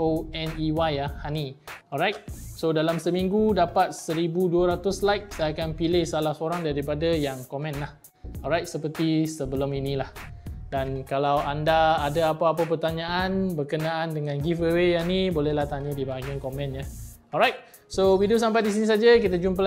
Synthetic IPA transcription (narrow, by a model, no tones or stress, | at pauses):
oɛniwajahaniɔlɾajt̪̚sodalamsəmiŋɡudapat̪̚səɾibuduəɾat̪ʊslajk̚sajakanpilɪhsalahsəoɾaŋdaɾipadajaŋkomɛ̃nlah | ɔlɾajt̪̚səpərt̪isəbəlʊminĩlahdankalawandaːdaapaːpəpərt̪aɲãʔanbərkənãʔandəŋãnɡifəwejanibolɛhlaht̪aɲədibaɦaɡiankomɛ̃njaɔlɾajt̪̚ | sowidios̬ampajdis̬inĩs̬ad͡ʒak̬it̪ad͡ʒumpə